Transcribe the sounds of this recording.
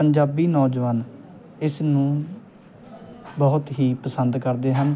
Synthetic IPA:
əɲd͡ʒaːbiːnɔːd͡ʒʋaːn | ɪsnũː | bəɦʊt̪ɦiːpəsənd̪kəɾd̪eːɦən

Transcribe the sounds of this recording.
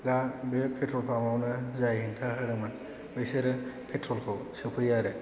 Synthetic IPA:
ɡabepʰetɾɔlpʰamawnɯzajhiŋtʰaɦɯɾɯman | bɯjseɾɯpʰetʰɾɔlkʰɔwsɯpʰɯjaɾɯ

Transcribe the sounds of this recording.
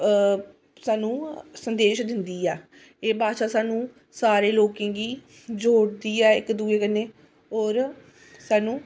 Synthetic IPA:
saːnũːsənd̪eːʃd̪ɪnd̪iːɛː | eːbaːʃaːsaːnũː | saːɾeːloːkẽːɡiː | d͡ʒoːɽd̪iːɛːɪkd̪uːeːkənːeː | oːɾ | saːnũː

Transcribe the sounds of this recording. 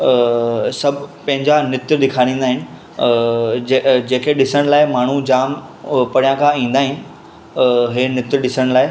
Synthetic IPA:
sɐbʱpɐ̃ɦɪ̃ɲd͡ʑanɪt̪ɗɪkʰaːɽ̃ĩːnd̪aːɦɪnɪ̆ | d͡ʑeːkʰeɗɪsəɽ̃laːɪmaːɳ̤ud͡ʑaːmpɐɽijãkʰãĩːn̆d̪aːɦɪn | ɦeːnɪt̪ɗɪsəɽ̃laːɪ

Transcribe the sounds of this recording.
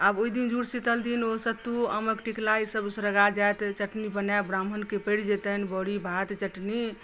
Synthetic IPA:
aboid̪ind͡ʒuɽsit̪əld̪inosət̪ːuə̰məkʈiklaisəbsɾəɡad͡ʒajt̪t͡ʃəʈnibənabɾamʱənkepəɽd͡ʒet̪ənbɔɽibʱat̪t͡ʃəʈni

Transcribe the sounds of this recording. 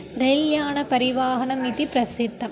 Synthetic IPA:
ɾɛljaːnɐpɐɾɪʋaːɦɐɳɐmiðipɾɐsɪd̪ːɐm

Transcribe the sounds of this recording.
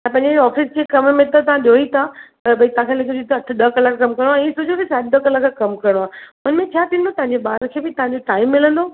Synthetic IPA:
ãpɐ̃ɦɪɲd͡ʑeɔːfɪsd͡ʑiekɐmmẽt̪ɐt̪ɐʋãɗijoːit̪ʰapɐɾbʱɐit̪ɐãkʰelekʰod͡ʑit̪ʰoɐʈ̆ʰɗ̪ɐkɐlakːkɐmkɐɾɽoaːĩːsʊd͡ʑʱot̪isaːd̪d̪ɐkɐlakʰkɐmkɐɾəɽ̃oaːʊənmẽt͡ɕʰaːt̪ʰĩnd̪ot̪ɐ̃ɦãɲd͡ʑeɓaːɾkʰeːbɪt̪ɐʋãɲd͡ʑoʈaːɪmːɪlə̃nd̪oː

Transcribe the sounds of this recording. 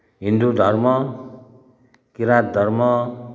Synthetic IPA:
ɦind̪ud̪ʱʌɾmʌ | kiɾat̪̚d̪ʱʌɾmʌ

